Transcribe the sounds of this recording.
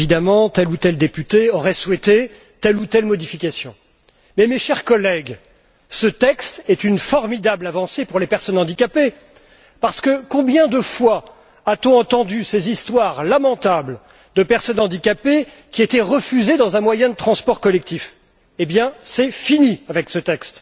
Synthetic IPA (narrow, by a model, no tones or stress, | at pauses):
id̪amɑ̃t̪ɛlut̪ɛld̪epyt̪eɔʁɛswɛt̪e | t̪ɛlut̪ɛlmɔd̪ifikʲasjɔ̰̃ | mɛmeʃɛʁkɔlɛɡ | sət̪ɛkst̪ɛt̪ynfɔʁmid̪ablavɑ̃sepuʁlepɛʁsɔnɑ̃d̪ikʲape | paʁsə̥kəkɔ̃bjɛ̃d̪əfwa | at̪ɔ̃ɑ̃t̪ɑ̃d̪ysezist̪waʁlamɑ̃t̪abl | d̪əpɛʁsɔnɑ̃d̪ikʲape | kʲiet̪ɛʁəfyzed̪ɑ̃zɛ̃mwajɛ̃d̪ət̪χɑ̃spɔʁkɔlɛk̚t̪if | ebjɛ̃sɛfiniavɛksət̪ɛkst̪